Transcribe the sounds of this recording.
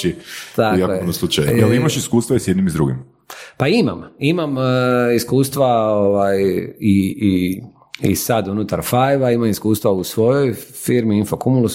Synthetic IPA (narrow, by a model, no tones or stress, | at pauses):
it̪akjakojnoslˠut͡ʃajuelimaʃiskuːst̪vaisjed̪nimizd̪ɾuɡḭm | paima̰mimamiskuːst̪ʋaoʋajii | ḭsad̪unut̪aɾfajʋaimamiskuːst̪ʋausʋo̞jojfiɾmiinfokumulus